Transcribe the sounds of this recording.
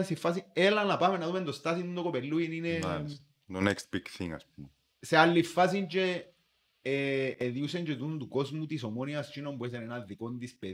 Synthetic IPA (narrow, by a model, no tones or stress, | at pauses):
sifas̬ielanlapamenaðumend̪ost̪as̬inund̪okopeluinine | ðonɛksb̥iɡθḭ̃ŋa̰s | sealːifas̬int͡ʃe | ðjus̬end͡ʒet̪und̪ukɔsmut̪is̬omoniast͡ʃinompwes̬enenaðikɔnd̪ispe